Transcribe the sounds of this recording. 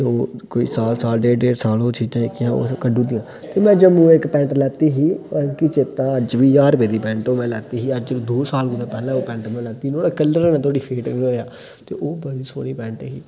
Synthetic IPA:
oːkoːḭːsaːlsaːlɖeːɖeːɾsaːloːt͡ʃiːd͡ʒãːɪkːɪjãːo̰ːkəɖũːd̪ɪ̃jãː | t̪eːmɛ̃ːd͡ʒəmũːɪkpɛ̃ːɳʈlɛːt̪iːɦiːkɪt͡ʃeːt̪ãːəd͡ʒʋiːaːɾbeːd̪iːpɛ̃ːɳʈoːmɛ̃ːlɛːt̪iːɦiːəd͡ʒɪkd̪oːsaːlɡʊd̪ãːpɛːlãːoːpɛ̃ːɳʈmɛ̃ːlɛːt̪iːnoːɽaːkəlːəɾnãːt̪ʰoːɽiːpʰeːʈːoaː | t̪ḛːʔoːbəd̪iːso̰ːniːpɛ̃ːɳʈːɦiː

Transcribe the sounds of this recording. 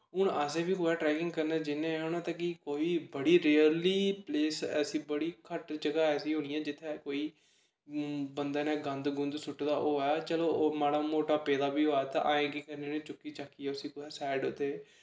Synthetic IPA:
ɦʊɳəseːbiːɦoːjaːʈɾɛːkɪŋɡkəɾnaːd͡ʒɪnẽːɦõːnãːt̪ãkɪkoːiːbəɽiːɾeːəliːpleːsɛ̰sĩːbəɽiːkʰəʈd͡ʒəɡaːɛːsiːɦõːniːãːd͡ʒɪt̪ʰːeːkoːiː | bənd̪aːnẽːɡə̃nd̪ɡʊnd̪sʊʈd̪aːʔoːɦːjaːt͡ʃəloːmaːɽaːmoːʈaːpɛːd̪aːbiːɦoːaːt̪ã̰ːʔaːẽːɡiːkəɾneːnẽːt͡ʃʊkːiːt͡ʃaːkːiːɛːʊsiːkʊɛːsɛːɖʊt̪eː

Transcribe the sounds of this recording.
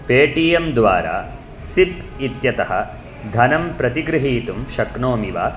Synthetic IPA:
peːʈiːjɐmd̪ʋaːɾa̰ː | sip̚it̪jɐt̪ɐɦɐ̰ | d̪ʱɐnɐmpɾɐt̪iɡɾɪɦiːt̪umʃɐknoːmiʋa̰ː

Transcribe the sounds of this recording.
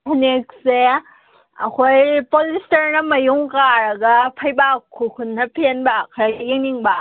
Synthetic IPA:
hʰunek̚se | ɐ̰kʰojpolistɐɾnɐmɐjuŋkaɾɐɡɐpʰɐjbakʰːukʰunnɐpʰenbakʰɾaɡjeŋiŋba

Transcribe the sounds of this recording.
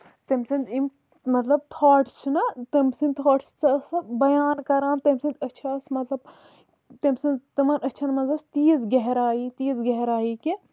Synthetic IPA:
t̪ɐmʲsɐnd̪ʲim | mɐt̪lɐb̚t̪ʰoːʈʰt͡ʃʰinɐt̪ɐmsinʲt̪ʰoːʈʰt͡ʃt͡sʰɐsbɐjaːnkɐɾaːnt̪ɐmʲsɐnd̪ʲɐt͡ʃʰasmɐt̪lɐb̚ | t̪ɐmsɐnt̪ɐmɐnɐt͡ʃʰɐnmɐnzɐst̪iːzɡeɦɾaːjiːt̪iːzɡɐɦɾaːjiki

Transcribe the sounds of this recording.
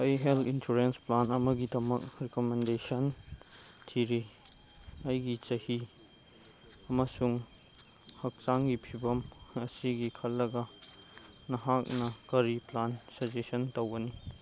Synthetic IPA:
ɐjɦeltinsuɾensplanɐmɐɡidɐmɐk̚ɾekomendesɐn | tʰiɾi | ɐjɡit͡ʃɐhi | ɐmɐsuŋ | hɐk̚t͡ʃaŋɡipʰibɐmɐsiɡikʰɐlːɐɡɐ | nɐɦak̚nɐkɐɾiplansɐd͡ʒesɐntowɡɐni

